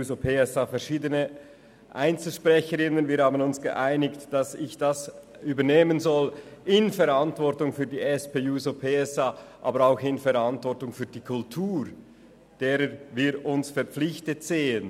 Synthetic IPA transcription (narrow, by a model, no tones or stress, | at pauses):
uːzopʰeːɛsaːfɛɐʃiːdənə | ʔa̰ɪnt͡sl̩ʃpʁɛçəɾɪnənviːɾhaːbənʊnsɡ̥ə̰ʔaɪnɪktd̥ɑsɪçd̥as | yːbəneːmənzɔlɪnfɛɾantvɔɾtʊŋfyːɐdiːɛspʰeːjuːzopʰeːɛsaːʔɑ̰ːbəɾaʊxɪnfɛɾɑntvɔɾtʊŋfyːdiːkʰʊltʰuːɾ | d̥eːɾəviːɾʊnsfɛɐɾpp͡flɪçtətz̥eːən